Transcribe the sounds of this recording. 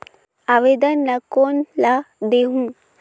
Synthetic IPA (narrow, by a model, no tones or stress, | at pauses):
aːʋeːd̪ənːɐkoːnlad̪eɦũ